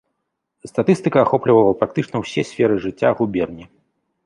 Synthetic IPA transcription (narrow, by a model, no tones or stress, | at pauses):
st̪at̪ɨst̪ɨkɐːxɔplʲivɐlˠɐpɾak̚t̪ɨt͡ʂnɐwsʲɛsʲfʲɛɾɨʐɨt͡sʲːaɣubʲɛrnʲi